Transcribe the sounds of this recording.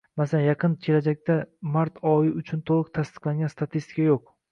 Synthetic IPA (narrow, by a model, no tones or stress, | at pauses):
masalanjɑqʰɨnkʲʰe̞lad͡ʒak̚ʲt̪amaɾt̪ʰɒjɪʊt͡ʃʰʊnt̪ʰolˠɨq̚t̪ʰast̪ɨ̥qlˠaŋɡʲanst̪at̪ʰist̪ɪ̥kʰajoq̚